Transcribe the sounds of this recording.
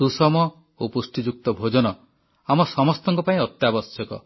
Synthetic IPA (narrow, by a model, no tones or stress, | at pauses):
usɔmɔ | opusʈid͡ʒuk̚t̪ɔbʱod͡ʒɔnɔ | amɔsɔmɔst̪ɔŋkɔpaĩɔt̪jabɔssɔkɔ̰